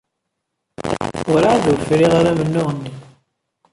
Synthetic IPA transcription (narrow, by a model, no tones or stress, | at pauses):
ʊɾaaðʊɾfɾiʁaɾæmənːʊʁənːi